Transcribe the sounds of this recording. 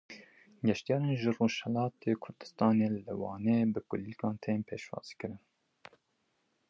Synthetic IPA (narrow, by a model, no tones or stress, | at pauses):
ɡɛʃt̪ijɑːɾeːnʒɨroːʃhɛlɑːt̪ʰeːkʰʊɾd̪ɨ̥st̪ɑːneːlɨwɑːneːbɨkʊlikɑːnt̪ʰeːnpʰeːʃwɑ̰ːz̥kɨɾɨn